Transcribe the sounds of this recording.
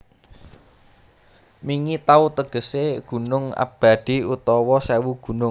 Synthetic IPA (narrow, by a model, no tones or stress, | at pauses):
miŋit̪aut̪əɡ̥ə̤seɡ̥ṳnʊŋa̰b̥a̤d̪̥i̤ut̪ɔwɔsɛwuɡ̥ṳnʊŋ